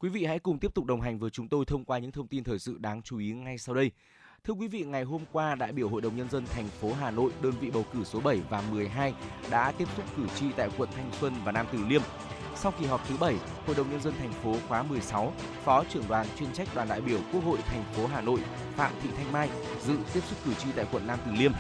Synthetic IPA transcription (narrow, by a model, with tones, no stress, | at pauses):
kwi˨˦vḭ˧˨ha̰˧˥jkʊ˨˩ŋ͡mt̪i˦˥p̚tʊ˨˩k͡p̚ɗə˨˩wŋ͡mɦa˨˩ŋ̟vəː˨˦t͡ɕʊ˨˦ŋ͡mt̪o˧jt̪ʰə˧wŋ͡mkwaː˧ɲɨ̰˧˥ŋt̪ʰə˧wŋ͡mt̪i˧nt̪ʰəː˨˩jsɨ̰˧˨ɗaː˨˦ŋt͡ɕu˨˦i˨˦ŋa˧jsa˧wɗə˧j | t̪ʰɨ˧əkwi˨˦vḭ˧˨ŋa˨˩jɦo˧mkwaː˧ɗa̰ː˧˨jɓi˧˩əwɦo̰˧˨jɗə˨˩wŋ͡mɲə˧nzə˧nt̪ʰa˨˩jŋ̟fo˨˦ɦaː˨˩no̰˧˨jɗəː˧nvḭ˧˨ɓə˨˩wkɨ˧˩so˨˦ɓə˧˩jvaː˨˩mɨ˨˩əjɦaː˧jɗa̰ː˧˥t̪i˦˥əp̚t̪ʊ˦˥k͡p̚kɨ˧˩t͡ɕḭ˧˨t̪a̰ː˧˨jkwə̰˧˨nt̪ʰa˧jŋ̟swə˧nvaː˨˩naː˧mt̪ɨ˨˩li˧əm | sa˧wki˨˩ɦɔ˨˩p̚t̪ʰɨ˨˦ɓə˧˩j | ho̰˧˨jɗə˨˩wŋ͡mɲə˧nzə˧nt̪ʰɛ˨˩jŋ̟fo˨˦xwaː˨˦mɨ˨˩əjsa˨˦w | fɔ˨˦t͡ɕɨ˧˩əŋɗwaː˨˩nt͡ɕwi˧ənt͡ɕa˦˥jk̚ɗwaː˨˩nɗa̰ː˧˨jɓi˧˩əwku˦˥ək̚ho̰˧˨jt̪ʰa˨˩jŋ̟fo˨˦ɦaː˨˩no̰˧˨j | fa̰ː˧˨mɓḭ˧˨t̪ʰjŋ̟maː˧j | zɨ̰˧˨t̪i˦˥əp̚sʊ˦˥k͡p̚kɨ˧˩t͡ɕḭ˧˨t̪a̰ː˧˨kwə̰˧˨nːaː˧mt̪ɨ˨˩li˧əm